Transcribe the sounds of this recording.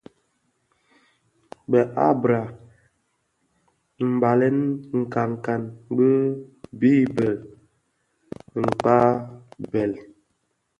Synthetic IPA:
ɓɛ˨ʔa˦bɾa˨ | m̩˨ba˨lɛ˦nŋ̩˨ka˨ŋ˨ka˨nbi˦bi˦bɛ˨l | ŋ̩˨k͡pa˦bɛ˨l

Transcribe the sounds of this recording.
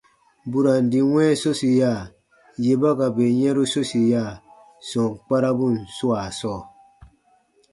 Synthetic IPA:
bu˨ɾa˨n̩˨di˨wɛ˦so˦si˨ja˦˨ | je˨ba˦ɡa˨be˨ɲɛ˦ɾu˦so˦si˨ja˦˨ | sɔ˨ŋ˨k͡pa˦ɾa˦bu˦˨n˨su˦a˨sɔ˦˨

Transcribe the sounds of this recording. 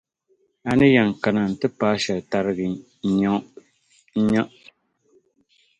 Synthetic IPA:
a˨nɨ˦ja˨ŋ˨ka˨na˨n˨tɨ˦paː˦ʃɛ˨lta˨ɾɨ˦ɡɨ˨˦ | ɲa˦ | ɲa˦ʔ

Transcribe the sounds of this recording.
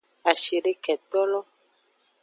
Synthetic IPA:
a˨ʃi˨ɖe˦kɛ˨t̪ɔ˦lɔ˦

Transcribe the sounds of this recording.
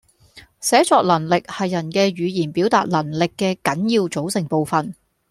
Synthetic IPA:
sɛː˨˥t͡sɔː˧k̚lɐ˨˩nlɪ˨k̚hɐ˨jːɐ˨˩nkɛː˧ɥyː˨˧jiː˨˩npiː˨˥wt̪aː˧t̚lɐ˨˩nlɪ˨kːɛː˧kɐ˨˥njiː˧wt͡so˨˥wsɪ˨˩ŋpo˨˧wfɐ˨n

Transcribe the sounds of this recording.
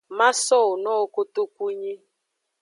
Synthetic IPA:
ma˦sɔ˦˨nɔ˦˨ko˦tu˦ku˦ɲi˦

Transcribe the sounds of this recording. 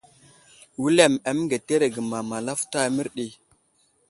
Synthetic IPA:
wi˦le˦˨ma˨m˦ŋɡe˨te˦ɾe˨ɡə˨ma˨ma˨la˦fta˦mi˦ɾɗi˨

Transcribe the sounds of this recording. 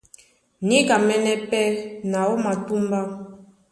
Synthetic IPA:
ne˦ka˨mɛ˦nɛ˦pɛ˦na˨wo˦ma˨tu˦m˦ba˦

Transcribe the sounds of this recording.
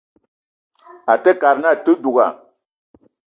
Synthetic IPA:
a˨tɛ˦ka˨ɾna˦˨tɨ˦du˨ɡa̰˨

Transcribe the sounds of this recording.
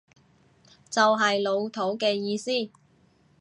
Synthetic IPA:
t͡sɐ˨wɦɐ˨jlo˨˧wt̪ʰo˨˥wkɛː˧jiː˧siː˥˩

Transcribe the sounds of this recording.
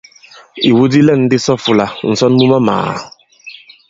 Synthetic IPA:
i˨wu˦di˦lɛ˦˨n̩˦dɪ˦sɔ˦fu˨la˨n̩˨sɔ˦n˦mu˦ma˦ma̰ː˨

